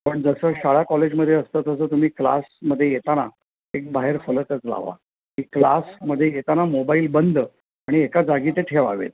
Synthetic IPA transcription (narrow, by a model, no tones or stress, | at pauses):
pəɳd͡zəsəːɕaɭakɔled͡ʑməd̪ʱjeəst̪ət̪əs̬əːt̪um̤iːkla̰sməd̪ʱːjejet̪ana̰ | ek̚baɦeɾfələt̪ət͡sla̰ʋa̰ | kiːklasməd̪ʱːjejet̪anamobaiːlbənd̪ʱ | aɽ̃iekad͡zaɡiːt̪eʈʰeʋa̰ʋḛt̪̚